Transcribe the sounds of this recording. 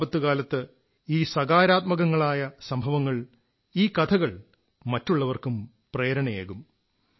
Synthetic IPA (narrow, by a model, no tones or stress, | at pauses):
bɐt̪ːukaːlɐt̪ːɨ | iːsɐɡaːɾaːt̪̚mɐɣɐŋːɐɭaːjɐsɐmbʱɐʋɐŋːɐɭ | iːkɐd̪ʰɐɣɐɭ | mɐtːuɭːɐʋɐrkum | preːɾɐɳɐjḛːɣum